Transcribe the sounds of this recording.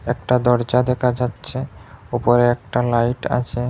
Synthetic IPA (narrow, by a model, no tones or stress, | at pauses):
ɛk̚ʈad̪ɔɾd͡ʑad̪ɛkʰad͡ʑatːɕʰeopoɾeɛk̚ʈalajʈa̰t͡ɕʰe